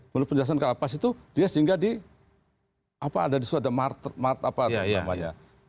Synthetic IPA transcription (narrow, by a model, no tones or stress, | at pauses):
mənʊt̪̚pəɲd͡ʒəlas̬ankəlapasit̪udiasəiŋɡadi | apaːdadisuadamart̪mart̪apaa̰ma̰ɲa̰